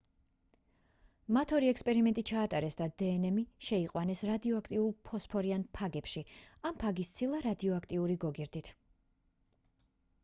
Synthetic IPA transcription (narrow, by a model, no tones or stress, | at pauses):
mat̪ʰɔɾiɛkspʼɛɾimɛnt̪ʼit͡ʃʰaːt̪ʼaɾɛsd̪ad̪ɛːnɛmiʃɛiqʼwanɛsɾad̪iɔakʰt̪ʼiulˠpʰɔspʰɔɾianpʰaɡɛpʃiampʰaɡist̪sʰilˠaɾad̪iɔakʰt̪ʼiuɾiɡɔɡiɾd̪it̪ʰ